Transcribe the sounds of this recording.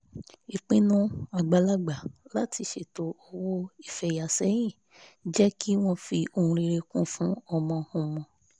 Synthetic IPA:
i˨k͡pĩ˦nũ˦a˨ɡ͡ba˨la˧ɡ͡ba˨la˨˦ti˧˦ʃe˨to˨˦ɔ˧wo˦i˦˨fɛ˨ja˨sɛ˨˦j̃ĩ˦˨ | d͡ʒɛ˦ki˦w̃ɔ̃˦fi˧o˧hũ˧ɾi˧ɾe˧kũ˦˨fũ˨˦ɔ˧mɔ̃˧hũ˧˨mɔ̃˧

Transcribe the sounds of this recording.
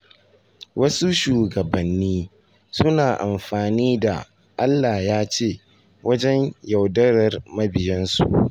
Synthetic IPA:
wɐ˦su˦ʃuː˨ɡɐ˨bɐ˨nːiː˦ | sʊ˦naː˨ʔa˨mɸaː˨niː˦da̰˨ | ʔa˦lːaː˨jaː˦t͡ʃeː˦˨ | wɐ˦d͡ʒɛ˦ɲja˨wdɐ˦ɾɐ˨rmɐ˦bɪ˨jɛ˦nsṵ˦˨ʔ

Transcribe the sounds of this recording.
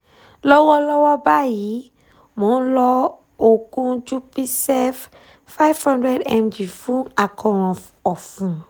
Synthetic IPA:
lɔ˦wɔ˦lɔ˦wɔ˦ba˦ji˨˦ | mõ˨˦lɔ˧ | o˨kũ˦d͡ʒu˦pi˦sɛ˦f | fa˦jvhɔ̃˦ndɾɛ˦dɛ˧md͡ʒi˨fũ˦a˨kʰɔ̃˨ɾ̃ɔ̃˨ | ɔ˨fũ˨

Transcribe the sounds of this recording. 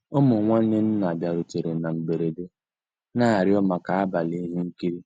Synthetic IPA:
ʊ˦mʊ˨ŋʷa˦n̩˦ne˦n̩˦na˨bja˨ɾʊ˨te˨ɾe˨na˨m̩˨be˨ɾe˨de˦ | na˦a˨ɾɪ˦ɔ˦ma˨ka˨a˦ba˨li˦ɦe˦ŋ̩˦ki˦ɾi˦

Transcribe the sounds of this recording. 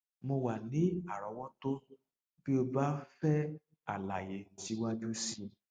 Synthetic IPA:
mo˧wa˨nĩ˨˦a˦˨ɾɔ˨˦wɔ˦to˦ | b̥i˦o˧ba˦fɛ˦ | a̰˨la˨je˨˦ti˨˦wa˦d͡ʒu˦si˦

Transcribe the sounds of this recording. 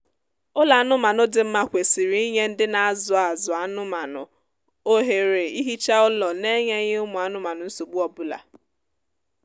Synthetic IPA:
ʊ˦la˨a˦nʊ˦ma˨nʊ˦dɪ˨m̩˦ma˦kʷe˨si˨ɾi˦i˦ɲe˦n̩˦dɪ˦na˨a˦zʊ˨a˨zʊ˨a˨nʊ˦ma˨nʊ̰˨ | o˦ɦe˨ɾe˨i˦ɦi˦t͡ʃa˦ʊ˦lɔ˨ne˦ɲe˦ɲe˦ʊ˦mʊ˨a˨˦nʊ˦ma˨nʊ˨n̩˦so˨ɡ͡bu˦ɔ˨bʊ˦la̰˨

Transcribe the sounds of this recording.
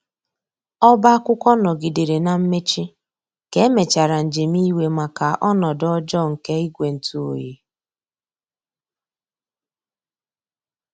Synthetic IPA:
ɔ˦ba˦a˦kʷʊ˦kʷɔ˦nɔ˨ɡi˨di˨ɾe˨na˨m̩˦me˦t͡ʃi˦ | ke˦me˨t͡ʃa˨ɾa˨n̩˨d͡ʒe˨mi˦we˦ma˨ka˨ʔɔ˦nɔ˨dɔ˦d͡ʒɔ˦˨ŋ̩˨ke˦i˦ɡʷe˨n̩˨tu˦o̰˨jḛ˨

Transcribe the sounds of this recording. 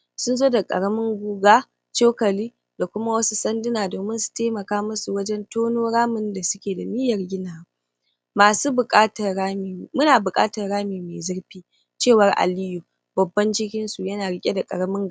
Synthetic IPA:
sʊ˦nzoː˦da˨kʼɐ̰˨ɽɐ˦mɪ˦ŋɡʷuː˦ɡaː˦ | t͡ʃe˦kɐ˨liː˦ | da˨kʷʊ˦ma˦wɐ˦su˦sɐ˦ndɪ˦naː˨doː˨mɪ˦nsu̥˨teː˦mɐ˨kaː˦mʊ˦su˨wɐ˦d͡ʒɛ˦ntoː˦noː˦ɽaː˦mɪ˦nda˨sʊ˦kʲeː˨da˨mɪ˦jɐ˨rɡʲɪ˦naː˨w | maː˨suː˦bʊ˨kʼaː˦tɐ˨rɽaː˦mi˨mʊ˦naː˨bʊ˨kʼa̰ː˦tɐ˨rɽaː˦miː˨meː˨zɐ˦ɽɸiː˦ | t͡ʃeː˦˨wɐ˦rʔa̰˨lɪ˦ju˨ | bɐ˨bːɐ˦nd͡ʒɪ˦kʲɪ˦nsu˨jɐ˦naː˨ɽɪ˦kʲʼe˦da˨kʼɐ̰˨ɾɐ˦mɪ˦ŋɡ

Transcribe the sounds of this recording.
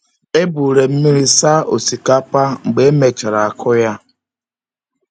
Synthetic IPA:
e˦bu˨ɾe˨m̩˦mi˦ɾi˦sa˦o̰˨si˨ka˦pa˦ŋ͡m̩˨ɡ͡be˨e˦me˨t͡ʃa˨ɾa˨a˨kʰʊ˦ja˦

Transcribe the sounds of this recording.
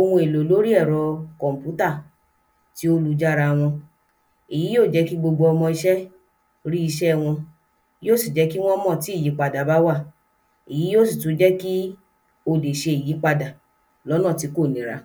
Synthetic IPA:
o˧wũ˧e˨lo˨lo˦ɾi˦ɛ˦˨ɾɔ˧kɔ̃˨m̩˨pju˦ta˦˨ | ti˨˦o˦lu˧d͡ʒa˦ɾa˧w̃ɔ̃˧ | i˨ji˨˦joː˦˨d͡ʒɛ˨˦ki˦ɡ͡bo˧ɡ͡bo˧ɔ˧mɔ̃˧i˧ʃɛ˦ | ɾi˦i˧ʃɛ˦˨w̃ɔ̃˧ | joː˦˨si˦˨d͡ʒɛ˨˦ki˦w̃ɔ̃˦mɔ̃˦˨ti˨˦i˦˨ji˨˦k͡pa˧da˨ba˦wa˦˨ | i˨ji˨˦jo˦˨si˨tu˨˦d͡ʒɛ˦ki˦ | o˧de˨ʃe˧i˨ji˨˦k͡pa˧da˨ | lɔ˨˦nɔ̃˦˨ti˨˧˦ko˦˨nĩ˨˦ɾa̰˧

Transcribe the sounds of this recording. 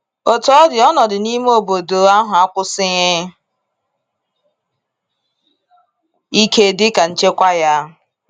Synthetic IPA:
o˨tɔ˦dɪ˨ɔ˦nɔ˨dɪ˨ni˦m˦o˨bo˨do˨a˦ɦʊ˨a˦kʷʊ˦sɪ˦ɲɪ˦ | i˦kʰe˦˨dɪ˦ka˨n̩˦t͡ʃe˦kʷa˦ja˦

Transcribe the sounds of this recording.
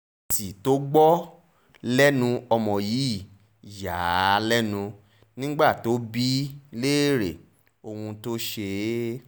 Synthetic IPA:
ti˨to˦ɡ͡bɔ˦ | lɛ˦nũ˧ɔ˧mɔ̃˨jiː˨˦˨ | ja˨˦lɛ˦nũ˧ | nĩ˦ɡ͡ba˦˨to˨˦bi˦le˦˨ɾḛ˨ | o˧hũ˧to˦ʃe˧˦

